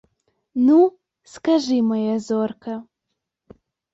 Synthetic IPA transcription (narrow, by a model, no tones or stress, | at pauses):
nu | skaʐɨmɐjazorkɐ